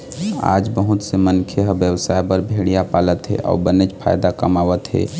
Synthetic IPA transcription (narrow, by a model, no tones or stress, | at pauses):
a̰ːd͡ʒbəɦut̪semənkʰeɦəbjəwsaːjpəɾbʱeɽijapaːlət̪ɦḛʔɔ̰ːbənet͡ʃpʰa̰jd̪akəmawət̪ɦḛ